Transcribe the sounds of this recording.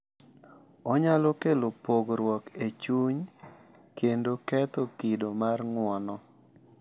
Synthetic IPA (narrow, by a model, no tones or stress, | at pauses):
ɔɲalɔkelopoɡɾwɔket͡ʃuɲ | kendokɛt̪okidomarŋwɔnɔ